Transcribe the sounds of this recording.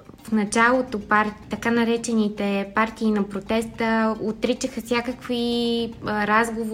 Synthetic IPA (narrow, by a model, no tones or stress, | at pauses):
fnɐt͡ʃalˠot̪opaɾt̪ɐkanɐɾɛt͡ʃɛnit̪ɛpaɾt̪iːnɐpɾot̪ɛst̪əot̪ɾit͡ʃəxəsʲjakəkvi | ɾazɡov